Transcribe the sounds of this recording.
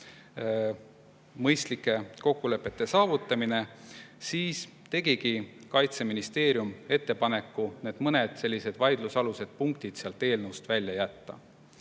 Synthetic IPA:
mɤjst̪likːˑe̞ko̞kːule̞pːˑe̞t̪ːˑe̞sɑːvut̪ːˑɑmine̞siːs | t̪e̞ɡikikɑjt̪se̞minist̪e̞ːɾjume̞t̪ːe̞pɑne̞kːˑune̞ːd̪̥mɤne̞d̪̥se̞lʲːise̞d̪̥vɑjd̪̥lusɑluse̞d̪̥̚puŋk̚t̪id̪̥seɑlt̪e̞ːlnust̪vælʲːjɑjæt̪ːɑ̰

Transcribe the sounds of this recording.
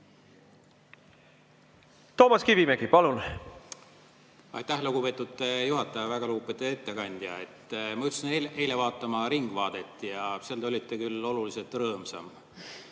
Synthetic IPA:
t̪o̞ːmɑskivimeɡipɑlun | ɑ̰jt̪ːˑæhluɡ̥upe̞ːt̪ːˑud̪ejuɦɑt̪ːˑɑjɑvæɡ̥ɑluupːˑe̞t̪ue̞t̪ːe̞kɑnʲd̪̥jɑ̰e̞t̪ːmɑyt̪ːsinee̞ːle̞vɑːt̪ːˑɑmɑɾiŋɡ̥vɑːd̪̥e̞t̪ːˑjɑseɑld̪eo̞lʲit̪ːˑe̞kylːo̞lulise̞lt̪ːˑrɤːmsɑ̰m

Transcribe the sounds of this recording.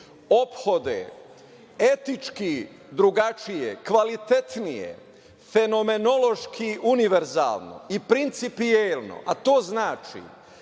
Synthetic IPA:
o̞pxo̞d̪ḛ | et̪it͡ʃki | d̪ɾuɡat͡ʃijḛkʋalit̪e̞t̪nijḛ | fe̞no̞me̞nolo̞ʃkʰiʔuniʋeɾza̰ːlno̰ipɾint̪sipielno̞̰ʔat̪oːznaːt͡ʃḭ

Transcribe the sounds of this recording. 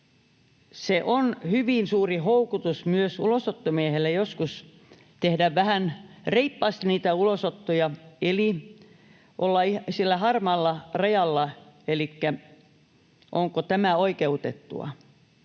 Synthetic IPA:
seʔonhyʋinsuːrihoukut̪usmyøsṵlosot̪ːomiehelːæjoskus | t̪ehdæʋʋæhænreipːɑːst̪niːt̪æulosot̪ːojɑeli | ʔolːɑisilːæhɑrmɑlːɑrɑjɑlːɑelikːæ | ʔoŋkot̪æmæoikeut̪ḛt̪ːṵɑ̰

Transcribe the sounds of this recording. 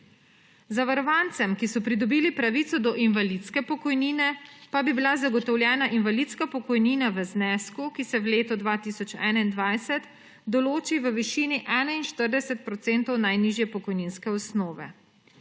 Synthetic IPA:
zaʋaɾɔʋaːnt̪sɛmkisɔpɾid̪ɔbiːlipɾaʋit̪sɔd̪ɔʔinʋalit̪skɛpɔkɔjniːnɛpabibilazaɡɔt̪ɔwljɛːnaʔinʋalit̪skapɔkɔjniːnaʋəznɛːskukisɛwleːt̪ɔd̪ʋat̪iːsɔt͡ʃɛ̰ːnaind̪ʋajsɛt̪ | d̪ɔloːt͡ʃiʋəʋiʃiːniʔɛːnainʃt̪əɾd̪ɛsɛt̪̚pɾɔt̪seːnt̪ɔwnajniʒjɛpɔkɔjninskɛɔsnɔːʋɛ̰

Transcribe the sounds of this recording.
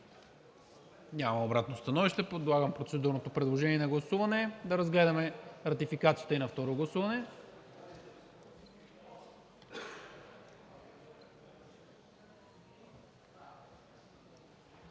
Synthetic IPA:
ɲʲamɐobɾat̪nost̪ɐnɔviʃt̪ɛpod̪lˠaɡəmpɾot̪sɛd̪uɾnot̪opɾɛd̪lˠoʒɛniɛnɐɡlˠɐsuvɐnɛd̪ɐɾɐzɡlɛd̪ɐmɛɾɐt̪ifikat̪siət̪əinɐft̪ɔɾoɡlˠɐsuvɐnɛ

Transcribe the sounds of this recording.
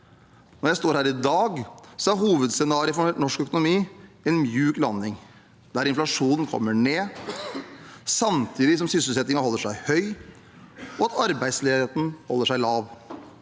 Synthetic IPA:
nɔɾjæɪst̪oːɾhæːɾɪd̪ɑːɡsɔæɾɦuːʋəd̪sɛnɑːɾɪəfɔɳɔʂkœkʊnʊmiːɛnmjʉːklɑnːɪŋ | d̪æɾɪnflɑʂuːnən̩kʰɔ̰mːəɳeː | sɑmt̪ʰiːd̪ɪsɔmsʏsəl̩sɛt̪ːɪŋɑhɔlːəʂæɪhœʏ | ʔɔɑt̪ɑɾbæɪd̪sleːet̪n̩hɔ̰lːəʂæɪlɑːʋ

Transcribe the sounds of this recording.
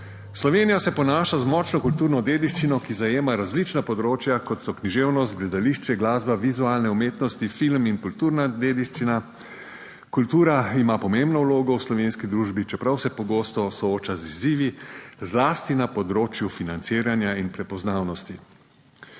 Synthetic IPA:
slɔʋeːnijasɛpɔnaːʃazmɔt͡ʃnɔkult̪uːɾnɔd̪eːd̪iʃt͡ʃinɔkizajeːmaɾazlit͡ʃnapɔd̪ɾoːt͡ʃjakɔt̪sɔkniʒeːwnɔst̪̚ɡlɛd̪aliʃt͡ʃɛɡlaːzbaʋizualnɛumeːt̪nɔst̪ifilminkult̪uɾnad̪eːd̪iʃt͡ʃina | kult̪uːɾaimapɔmembnɔwloːɡɔwslɔʋenskid̪ɾuːʒbit͡ʃɛpɾawsɛpɔɡoːst̪ɔsɔoːt͡ʃaziziːʋizlast̪inapɔd̪ɾoːt͡ʃjufinant̪siːɾanjainpɾɛpɔznaːwnɔst̪i

